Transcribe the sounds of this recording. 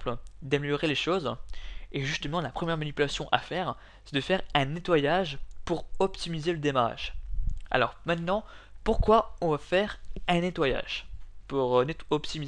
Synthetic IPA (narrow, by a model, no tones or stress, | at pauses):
pld̪ameljɔʁeleʃoz | eʒyst̪əmɑ̃lapχəmjɛʁmanipylasjɔ̃ʔa̰fɛʁ | sɛd̪əfɛʁɛ̃net̪wajaʒpuʁɔpt̪imizeləd̪emaʁa̰ʒ̥a̰lɔ̰ʁmɛ̃t̪nɑ̃puʁkwaɔ̃vafɛʁɛ̃net̪waja̰ʒ̥puʁneɔpt̪imiz